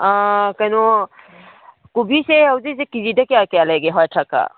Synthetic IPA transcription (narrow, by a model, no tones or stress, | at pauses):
akajnɔ | kubiseawzes̬ekizidakejakejalajɡeɦɔjtʰaka̰